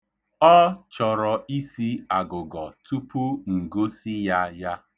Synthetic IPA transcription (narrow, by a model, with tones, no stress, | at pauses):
ɔ˦t͡ʃɔ˨ɾɔ˨i˦si˦a˨ɡʊ˨ɡɔ˨tu˦pu˦ŋ̩˨ɡo˦si˦ja˦ja˦